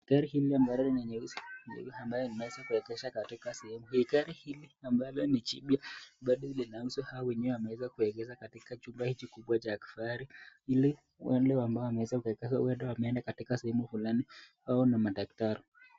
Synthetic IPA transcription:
hikaɾihiliambalɔninɛɲɛusi̥ḭambajɔninawɛzakuɛkɛʃakatikasɛhɛmuhikaɾihiliambalɔnit͡ʃḭɓjaɓaɗɔlinausuhawawɛɲɛwɛwamɛwɛzakuɛɡɛzakatikat͡ʃumbahit͡ʃikuɓwat͡ʃaki̥faɾiili | wɛ̰ndɛwambaɔwamɛwɛzaukkɛawɛndɛwamɛɛndakatikasɛhɛmufulaniwaɔnamaɗaktaɾi

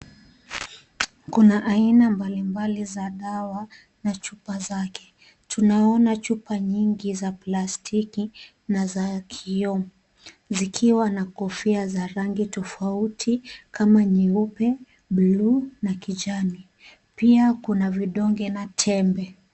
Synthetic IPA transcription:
kunaʔainambalimbalizaɗawa | nat͡ʃupazakʰɛ̥ | tʰunaɔnat͡ʃupaɲiŋɡizaplastʰiki | nazakʰiɔm | zikʰiwanakɔfiazaɾaŋɡitɔfautʰikʰamaɲiupɛ | ɓlunakid͡ʒani | piakunaviɗɔŋɡɛnatʰɛmbɛ

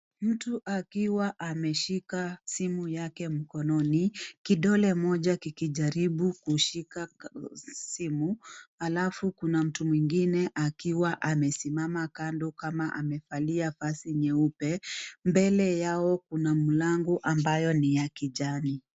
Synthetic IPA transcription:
m̩tuʔakiwaʔamɛʃikasimujakɛm̩kɔnɔnikiɗɔlɛmɔʄakikiʄaɾiɓukuʃika | simuhalafukunam̩tumwiŋɡinɛʔakiwaʔamɛsimamakandɔkamaʔamɛfaliafasiɲɛupɛmbɛlɛjaɔkunamulaŋɡuʔambajɔnijakiʄani

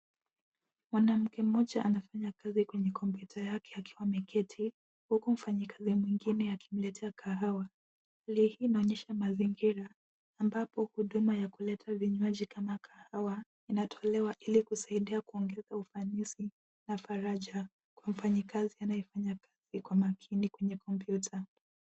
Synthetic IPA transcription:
mwanam̩kɛm̩ɔʄaʔanafaɲakazikwɛɲɛkɔmpjutʰajakʰɛakiwamɛkɛtʰi | hukum̩faɲikazimwiŋɡinɛaki̥m̩lɛtʰɛakʰaɦawa | halihiːnaɔɲɛʃamaziŋɡiɾaː | mbapɔhuɗumajakulɛtʰaviɲwaʄikamakʰahawa | inatʰɔlɛwaʔilikusaiɗiakuɔŋɡɛzaufanisi | nafaɾaʄa | kwam̩faɲikazianajifaɲakaz̥ikwamakʰinikwɛɲɛkɔmpjutʰa

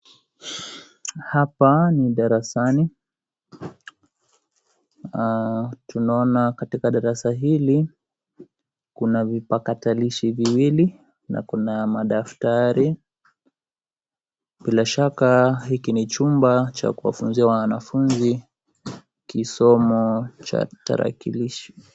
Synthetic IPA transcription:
hapaniɗaɾasani | tunaɔnakatikaɗaɾasaɦili | kunavipakataliʃiviwili | na̰kunamaɗaftaɾi | ɓilaʃakahikinit͡ʃumbat͡ʃa̰kuwa̰funziawanafunzi | kisɔmɔt͡ʃa̰ta̰ɾa̰kiliʃi̥

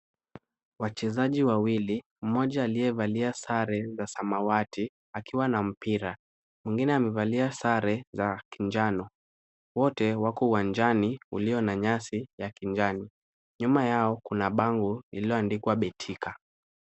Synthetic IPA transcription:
wat͡ʃɛzaʄiwawili | m̩mɔʄaːliɛvaliasaɾɛzasamawatʰi | akiwanam̩piɾa | mwiŋɡinɛamɛvaliasaɾɛzakiɲd͡ʒanɔ | wɔtɛwakɔuwand͡ʒaniṵliɔnaɲasijakiɲd͡ʒani | ɲumajaɔkunaɓaŋɡuiliɔandikwaɓɛtʰikʰa

